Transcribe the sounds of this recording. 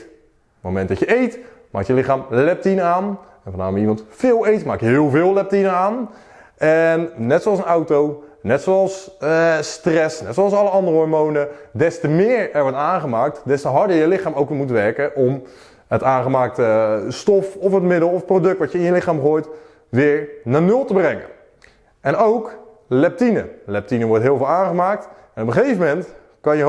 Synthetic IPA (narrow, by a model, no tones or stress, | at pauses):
momɛndɔcjəejt | ma̰ːkjəlɪχaːmlɛp̚tinaːn | ɛnvɑna̰ːməimɑntfɪːlˠejtma̰ːkjəɦɪːlˠvɪːlˠlɛp̚tinəaːn | ɛnːɛtsoɑlˠsənawtownɛtsowɑlˠsstrɛsnɛtsowɑlˠsɑləɑndərəɔɹmownədɛstəmɪːɹɛɹʋɔɹtaːnχəmaːk̚tdɛstəɦɑɹdəɹjəlɪχaːmowkʋɪmutʋɛɹkəʔɔm | ətaːnχəmaːk̚təstɔfɔfətmɪdəlˠɔfprodɵk̚tʋɑtjəɪnjəlɪχaːmχoːjt | ʋɪːɹnaːnɵlˠtəbrɛŋə̰n | ɛnowk | lɛp̚tinə̰lɛp̚tinəʋɔɹtɦɪːlˠvɪːlˠaːnχəmaːk̚t | ɛnɔpəχejvəmɛnt | kɑnjə